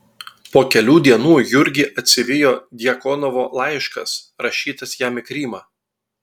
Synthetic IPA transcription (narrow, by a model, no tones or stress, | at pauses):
poːkʲɛlʲuːd̪ʲiɛnuːjʊɾʲɡʲɪʔɐt̪ʲsʲɪʋʲɪjoːd̪ʲɪjɛkɔnɔʋoːlˠɑˑɪʃkɐ̰sɾɐʃʲiːt̪ɐsjæːmʲɪkɾʲiːmɑː